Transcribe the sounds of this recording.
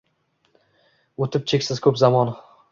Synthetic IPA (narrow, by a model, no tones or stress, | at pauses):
ot̪ʰɪp̚t͡ʃʰekʲsɪzkʰɵpzamɒn